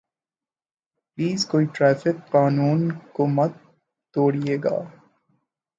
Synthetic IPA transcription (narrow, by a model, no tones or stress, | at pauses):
pliːzkoːiʈɾɛːfɪkːaːnũːnkomɐd̪ | t̪oːɽijeːɡa̰ː